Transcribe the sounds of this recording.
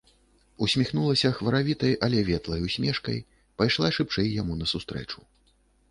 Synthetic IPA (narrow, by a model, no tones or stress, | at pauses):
usʲmʲixn̪ulˠɐsʲɐxvɐɾavʲit̪ɐjʔɐlʲɛvʲɛt̪lˠɐjusʲmʲɛʂkɐ̰j | pajʂlˠaʂɨpt͡ʂɛjːamunɐsust̪ɾɛ̰t͡ʂu̥